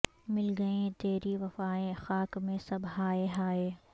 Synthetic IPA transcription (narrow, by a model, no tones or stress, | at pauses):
mɪlɡɐẽt̪eːɾiʋɐfaːẽxaːkmẽsɐbɦaːeɦaːeː